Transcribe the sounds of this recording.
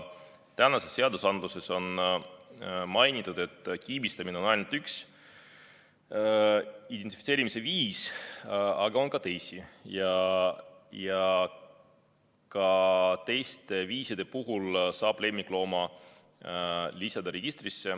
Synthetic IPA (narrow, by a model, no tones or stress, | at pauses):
t̪ænɑse̞sːe̞ɑd̪usɑnd̪̥luse̞so̞n | mɑjnit̪ːˑud̪̥e̞t̪ːˑkiːbist̪ɑmineo̞nɑjnult̪yks | id̪̥ei̥fit̪seːɾimise̞viːs | ɑɡɑo̞nkɑt̪e̞jsijɑ | jɑ | kɑt̪e̞jst̪e̞viːsid̪̥e̞puɦulsɑːb̥le̞mːikˑlo̞ːmɑ | lisɑd̪̥ɑɾe̞ɡ̥ist̪risːe̞